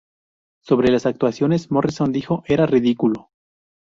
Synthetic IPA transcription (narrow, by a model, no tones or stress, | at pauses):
so̞βɾe̞lasak̚t̪wasjo̞ne̞smorisond̪ixo̞ʔe̞ɾariðikulo̞